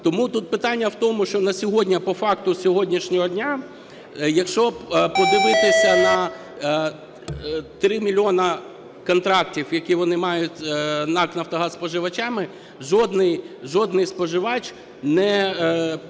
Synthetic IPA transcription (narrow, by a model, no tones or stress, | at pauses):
t̪ɔmut̪ut̪̚pɪt̪ɑnʲːɐwt̪ɔmʊʃt͡ʃɔnɐsʲɔɦɔdʲnʲɐpɔfɑkt̪ʊsʲɔɦɔdʲnʲiʃnʲɔɦɔdʲnʲa | jɐkʃt͡ʃɔpɔd̪ɪʋɪt̪ɪsʲɐnɐ | t̪ɾɪmʲilʲɔnɐ | kɔnt̪ɾɑktʲiwjɐkiʋɔnɪmɑjʊtʲnɑknɐwt̪ɔɦɑsspɔʒɪʋɐt͡ʃɑmɪ | ʒɔd̪nɪjʒɔd̪nɪjspɔʒɪʋɑt͡ʃʲ | nɛ